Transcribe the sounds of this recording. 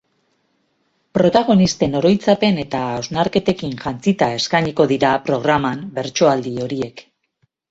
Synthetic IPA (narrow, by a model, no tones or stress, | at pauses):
pɾo̞t̪aɣ̞o̞nist̪e̞no̞ɾo̞jt͡sape̞ne̞t̪aːwznaɾke̞t̪e̞kinʝant͡sit̪ae̞skaɲiko̞ðiɾapɾo̞ɣ̞ɾamambe̞ɾt͡ʃo̞ald̪io̞ɾie̞k